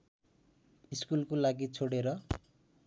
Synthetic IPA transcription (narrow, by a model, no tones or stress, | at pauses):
iskulkolaɡit͡sʰoɽeɾʌ